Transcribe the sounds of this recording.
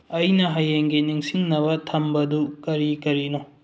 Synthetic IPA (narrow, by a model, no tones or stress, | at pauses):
ɐjnɐɦajːeŋɡiniŋsiŋnɐbɐtʰɐmbɐdukɐɾikɐɾino